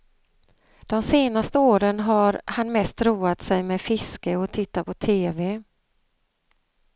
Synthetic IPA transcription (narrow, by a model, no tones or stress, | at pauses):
d̪̥ɔmseːnast̪əoːɾənɦaɾhanmɛst̪ɾuːat̪sɛjmɛfɪskəɔt̪ʰɪt̪ːapʰɔt̪ʰeːvɛ